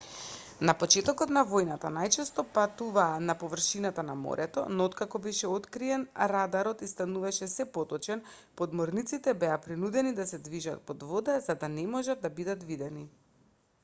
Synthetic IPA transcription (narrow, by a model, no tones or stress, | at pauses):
napɔt͡ʃɛt̪ɔkɔt̪navojnat̪anajt͡ʃɛst̪ɔpat̪uvaːnapɔvr̩ʃinat̪anamɔ̰ɾʔɛt̪ɔ̰nɔot̪kakɔbɛʃɛot̪kɾiɛnɾad̪aɾɔt̪ist̪anuvaʃɛsɛpɔt̪ɔt͡ʃɛn | pɔd̪mɔɾnit̪sit̪ɛbɛapɾinud̪ɛnid̪asɛd̪viʒa̰t̪̚pɔd̪vɔd̪ɛzad̪anɛmɔʒad̪ːabid̪at̪vid̪ɛni